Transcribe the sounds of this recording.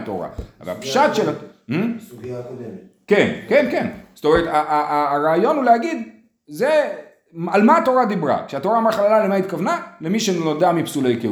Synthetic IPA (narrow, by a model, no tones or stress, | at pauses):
t̪o̰ʁa̰a̰va̰lpʃat̪ʃelamm̩ | kenkenkenz̥o̥t̪omeʁet̪aʔaaːʁaːjo̞nhulehaɡid̪ | ze | malmaːt̪o̞ʁad̪ibʁa̰kʃeatoʁaːmaχalalalemait̪̚kavnalemiʃennod̪eamipsulejkeu